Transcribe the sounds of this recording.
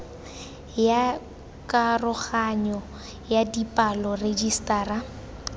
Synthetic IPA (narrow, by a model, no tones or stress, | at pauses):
ja | kʼarʊɣaɲɔ | jadipʼalɔred͡ʒistʼaːra